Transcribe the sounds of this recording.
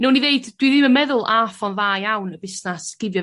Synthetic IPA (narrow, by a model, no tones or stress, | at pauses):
nɛwniðeɨd̥wiðɪmənmɛðʊlˠʔafɔnðaːjawnəbɪsnasɡ̥ɪvjɔ